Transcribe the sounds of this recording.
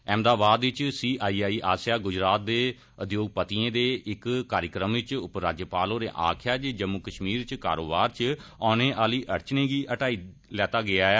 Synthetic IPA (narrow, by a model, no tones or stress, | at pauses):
ɛːmd̪aːbaːd̪ʋɪt͡ʃsiːʔaːiːaːiːʔaːsjaːɡʊd͡ʒɾaːt̪̚d̪eː | əd̪joːɡ̚pət̪iẽːd̪eːɪkkaːɾjəkɾəmʋɪt͡ʃʊpɾaːd͡ʒjəpaːloːɾḛːʔa̰ːkʰjaːt͡ʃd͡ʒəmːukəʃmiːɾt͡ʃkaːɾo̰ːbaːɾt͡ʃɔːnẽːʔaːliːʔəɾt͡ʃnẽːɡiːʔəʈaːiː | lɛːt̪aːɡɪaːɛ